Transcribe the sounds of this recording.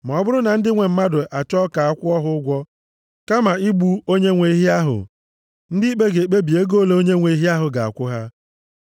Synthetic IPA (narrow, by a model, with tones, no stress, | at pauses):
m˨ɔ˨ɔ˦bʊ˦ɾʊ˦na˨n̩˦dɪ˦ŋʷe˨m̩˦ma˦dʊ˨ʔa˨t͡ʃɔ˦ka˨a˦kʷʊ˦ɔ˦ɦʊ˦ʊ˦ɡʷɔ˦ | ka˦ma˨i˦ɡ͡bu˦o˦ɲe˦ŋʷe˨i˦ɦi˦a˦ɦʊ̰˨ | n̩˦dɪ˦i˦k͡pe˦ɡe˨k͡pe˦bi˨e˦ɡo˦˨le˦o˦ɲe˦ŋʷe˨i˦ɦi˦a˦ɦʊ˨ɡa˨a̰˨kʷʊ˦ɦa˦